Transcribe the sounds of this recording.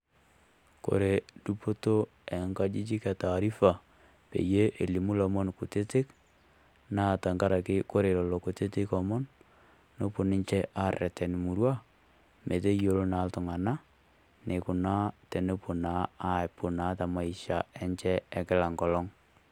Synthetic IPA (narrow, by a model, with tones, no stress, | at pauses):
ko̰˨ɾe˨du˦po˦to˦ | ɛ˨ŋka˦d͡ʒi˦t͡ʃi˦ka˨taː˨ɾi˦fa˨ | pḛ˨je˦ʔe˨li˨mu˦lɔ˨mɔ˦nku˨te˦te˦k | na˦˨ta˨ŋɡa˦ɾa˨kɪ˦ko˦ɾe˨lɔ˨lɔ˨ku˨te˦tɪ˦kɔ˨mɔ˦n | no˦po˨nɪ˦ɲt͡ʃɛ˦ʔa˦˨rɛ̰˨tɛ˨n˨mu˨ɾwa˦ | mʔe˨te˦jo˨ɾo˦na˨˦ltʊ˨ŋa˨na˦ | ne˨kʊ˨na˦te˨ne˦po˨na˨˦a˦pʊ˨na˨˦ta˨ma˨i˨ʃa˨ɛ˦ɲt͡ʃɛ˦ɛ˨kɪ˦la˨ŋɡɔ˨lɔ˦ŋ